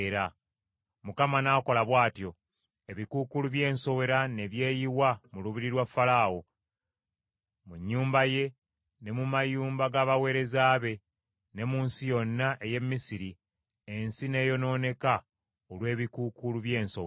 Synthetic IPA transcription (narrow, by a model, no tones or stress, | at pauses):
ɾa | mukamanaːko̞laβwaːtjo̞ | eβikukuluβje̞ːnso̞we̞ɾane̞βje̞ːjiwamuluβiɾiɾwafːalaːwo | muɲːuːmbaje̞ | ne̞mumajuːmbaɡaːβawe̞ːɾe̞zaːβe̞ | ne̞muːnsijo̞nːaʔeje̞mːisiɾi | ensine̞ːjo̞no̞ːne̞ka | olwe̞ːβikukuluβje̞ːnsow